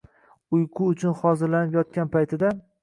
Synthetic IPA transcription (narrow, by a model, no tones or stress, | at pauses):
ʊjqʰʊːt͡ʃʰʊnχɒzɪɾlanɪpjɒt̪̚kʲanpʰajt̪ʰɪd̪a